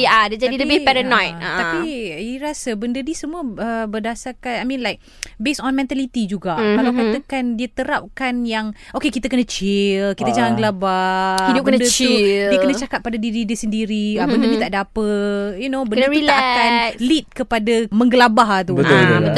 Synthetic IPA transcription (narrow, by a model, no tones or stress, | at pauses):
adəd͡ʒadiləbɪhpɛɾanajtat̪apiiɾasəbəndədisəmuəəbərdasakanajmĩnlajk̚ | besɔnmɛ̃nt̪alit̪id͡ʒuɡaʔkalawkkat̪əkandiət̪əɾap̚kanjaŋokekit̪akənət͡ʃɪlkit̪ad͡ʒaŋanɡəlabahidʊpkəndət͡ʃliəkənət͡ʃakat̪̚pːadadididisəndiɾiəbəndənit̪aʔdapəjunobəndnəilaakanlit̪̚kəpadaməŋɡəlabaɦat̪uə